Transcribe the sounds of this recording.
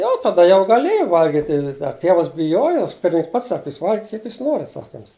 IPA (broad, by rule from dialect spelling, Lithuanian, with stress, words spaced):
ˈjɛʊ tɐˈdɐ jɛʊ ɡɐˈlʲeːjɛɪ ˈʋɐlʲɡʲɪtʲɪ ɐ ˈtʲeːʋɐs bʲɪˈjoːjoː ˈpʲɪrʲmʲɪnʲɪŋks ˈpɐts ˈsɑːkʲɪ ˈjuːs ˈʋɐlʲɡʲɪkʲɪt kʲiɛk ˈjuːs ˈnoːrʲɪt ˈsɑːkɐ ˈjʊms